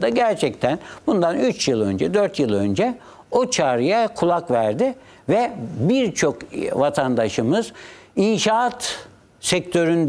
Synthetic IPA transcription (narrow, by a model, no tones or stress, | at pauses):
d̪aɟæɾt͡ʃʰɛc̚t̪ʰænb̥und̪anyt͡ʃjɯlˠø̞̰nd͡ʒɛd̪øɾt̪jɯlˠø̞nd͡ʒɛ | ot͡ʃʰaːɾɯjakʰulˠakvæɾd̪ɪ | vɛbiɾt͡ʃʰo̞kvat̪ʰand̪aʃɯmɯz̥inʃat̪ | sɛc̚t̪ʰø̞ɾynd̪